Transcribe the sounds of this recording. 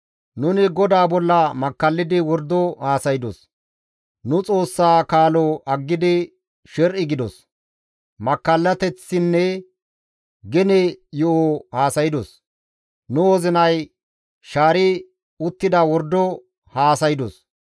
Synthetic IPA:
nʊnɪɡɔd̪aːbɔlːɐmɐkːɐlːɪd̪ɪwɔɾd̪ɔhaːsɐjɪd̪ɔs | nʊt͡sʼo̞ːsːaːkaːlɔʔɐɡːɪd̪ɪ | ʃɛɾʔɪɡɪd̪ɔs | mɐkːɐlːɐt̪ɛt͡sːɪnːɛ | ɡɛnɛjɔohaːsɐjɪd̪ɔs | nʊɔzɪnɐj | ʃaːɾɪ | ʊt̪ːɪd̪ɐwɔɾd̪ɔ | haːsɐjɪd̪ɔs

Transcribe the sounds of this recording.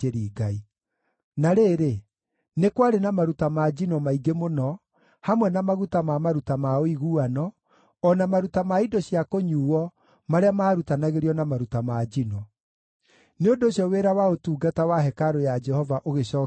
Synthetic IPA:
eɾiːɡai | naɾeːɾe | nekwaɾenamaɾutamad͡ʒinɔmaiɡemonɔ | hamwɛnamaɣutamamaɾutamaoiɣuanɔː | namaɾutamaidɔɕiakoɲuːwɔ | maɾeamaːɾutanaɣeɾiɔnamaɾutamad͡ʒinɔ | neondooɕjɔweɾawaotuːɡatawaɦɛkaɾojad͡ʒɛhɔvaʔoɣeɕɔː

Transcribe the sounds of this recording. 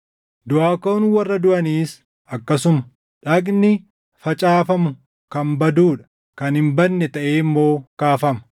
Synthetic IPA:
d̪ʊʔaːkoːnwɐrːɐd̪ʊʔɐniːs | ɐkːɐsʊmɐ̥ | ᶑɐknɪ | fɐt͡ʃʼaːfɐmʊ | kɐmbɐd̪uːᶑɐ̥ | kɐnhɪmbɐnːɛt̪ɐʔeːmːo̞ːkaːfɐmɐ̥

